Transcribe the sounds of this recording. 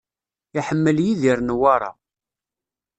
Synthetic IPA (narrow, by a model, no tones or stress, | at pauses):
iħəmːəljiðiɾnwaɾˤɑ̰